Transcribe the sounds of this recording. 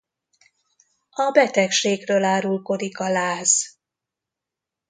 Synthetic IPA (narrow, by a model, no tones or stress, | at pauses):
ɒbɛt̪ɛkʃeːɡrøːlaːɾulko̞ɾikɒlaːz̥